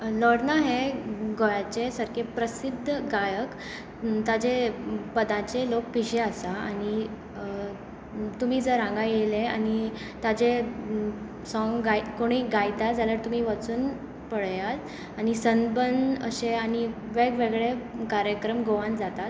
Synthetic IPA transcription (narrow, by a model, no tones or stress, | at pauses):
lɔɽnaɦeɡojat͡sesəɾkepɾəsid̪ʱːəɡajək | t̪ad͡ʑepəd̪ãt͡selok̚piɕeasaaɽ̃i | t̪um̤iːd͡zəɾãŋɡajelea̰ni | t̪ad͡ʑe | sɔŋɡɡajkoɽ̃iːɡajt̪ad͡zaləɾt̪um̤iːʋat͡suːn | pəɭjat | aɽ̃isənbəndə̰ɕeañi | ʋeɡʋeɡɭekaɾjəkɾəmɡoʋãnd͡zat̪at̪